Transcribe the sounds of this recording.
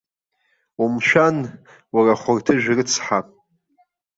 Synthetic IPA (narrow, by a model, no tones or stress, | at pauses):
umʃᶣan | waraχʷʊrtʰɨʒᶣrɨt͡sʰħapʼ